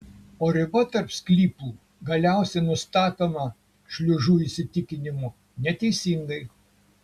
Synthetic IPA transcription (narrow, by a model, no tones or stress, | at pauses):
oːɾʲɪbɐt̪ɐɾpsʲklʲiːpuː | ɡɐlʲæˑʊsʲɛnʊst̪ɑːt̪oːmɐ | ʃʲlʲʊʒuːisʲɪt̪ʲɪkʲɪnʲɪmu | nʲɛt̪ʲɛɪsʲiŋɡɐɪ